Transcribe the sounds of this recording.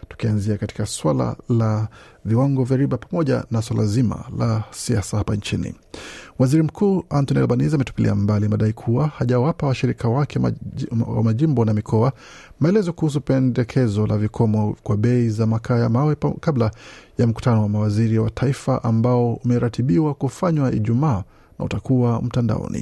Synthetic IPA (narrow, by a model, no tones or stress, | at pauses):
tu̥kianziakati̥kaswala̰laviwaŋɡɔvjaɾiɓapamɔʄa̰nas̬walazima̰lasiasahapant͡ʃinḭ | waziɾim̩kʰuːantɔnia̰lɓanizamɛtu̥pilʔḭambalimaɗaikʰuwahaʄawapawaʃiɾikʰawakɛ | wa̰maʄimbɔnamikʰɔa | maɛlɛzɔkuhus̬upɛndɛkʰɛzɔlʔavikʰɔmɔkwaɓɛizamakʰajamawɛkablajam̩ku̥tanɔwamawaziɾiwatʰaifaʔambaɔumɛɾatiɓiwakufaɲwaḭʄumaː | na̰ṵtakuwam̩tanda̰ɔ̰nḭ